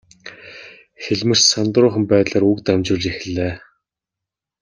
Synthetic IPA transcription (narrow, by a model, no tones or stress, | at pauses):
xeɮʲmɘ̆r̥sant̪rʊːχə̆mpæːt̪ɮaːɾukt̪amt͡ɕʊːɮt͡ɕexɘ̆ɮeː